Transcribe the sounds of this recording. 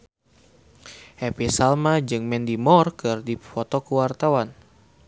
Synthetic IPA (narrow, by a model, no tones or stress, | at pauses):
ʔɛpisalmad͡ʒɨŋmɛndimɔrkɨrdifɔt̪ɔkəwart̪awan